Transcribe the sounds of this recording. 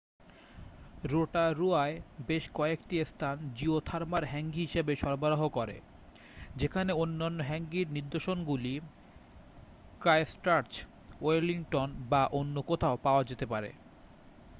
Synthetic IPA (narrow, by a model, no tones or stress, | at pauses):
ɾoʈaɾuaebeʃkɔekʈiest̪ʰand͡ʑiot̪ʰaɾmaɾɦɛŋɡiɦiʃebeʃɔɾbaɾaɦokoɾḛ | d͡ʑekʰaneonːanːoɦɛŋɡiɾniɾd̪oʃonɡuli | kɾaesʈaɾt͡ɕ | oliŋʈonbaʔonːokot̪ʰaopaoad͡ʑet̪epaɾḛ